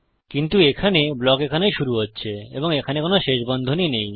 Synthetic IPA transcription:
kint̪uekʰaneblɔkekʰanejʃuɾuɦotːɕʰeḛboŋekʰanekonoʃeʃbɔnd̪ʱoninej

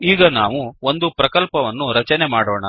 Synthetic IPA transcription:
iːɡɐnaːʋuond̪upɾɐkɐlpɐʋɐnːuɾɐt͡ʃɐnemaːɽoːɳɐ

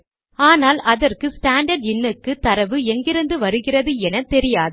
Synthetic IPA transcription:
aːnaːlɐðɐrkɯsʈaːɳɖɐɾɖɪnːɯkːɯt̪ɐɾɐʋɯɛŋɡɪɾɯnd̪ɯʋɐɾɯɣɪrɐðɯɛnɐt̪ɛɾɪjaːð

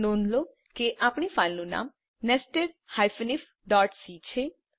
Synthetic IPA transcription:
nonlo | keʔapɳ̃ifalnũna̰m | nɛsʈeɾ | hajfənif | ɖɔːʈsit͡ʃʰe

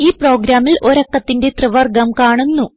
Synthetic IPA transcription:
iːpro̞ːɡɾaːmilʔo̞ɾɐkːɐt̪ːindet̪rɨʋɐrɡɐmkaːɳunːu

